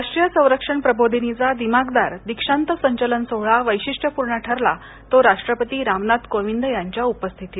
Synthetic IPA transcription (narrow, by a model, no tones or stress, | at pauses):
aʂʈɾijəsə̃w̃ɾəkʂəɳpɾəbod̪ʱinid͡zad̪imaɡd̪aɾd̪ikʂãnt̪əsəɲt͡ɕələnsoɦɭaʋəjɕiʂʈʰəpuɾɳaʈʰəɾla | t̪oɾaʂʈɾəpət̪iːɾamnat̪koʋind̪jaɲt͡ɕjaupəst̪ʰit̪i